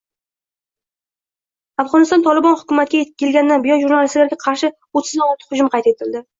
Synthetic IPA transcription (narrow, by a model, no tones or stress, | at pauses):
afʁɒnɪst̪ɒnt̪ʰɒlɪbɒnhʊkʊmat̪kʲajekʲɪlɡʲand̪anbɪjɒnʒuɾnalɪst̪laɾɡʲaqʰɑɾʃɪ | ot̪ʰːɪzɒlat̪ʰχʊd͡ʒʊmqʰɑjt̪e̞t̪ʰɪld̪ɪ